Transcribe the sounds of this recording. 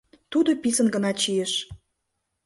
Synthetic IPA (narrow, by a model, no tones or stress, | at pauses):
t̪ud̪opisənɡənɑt͡ɕijeʃ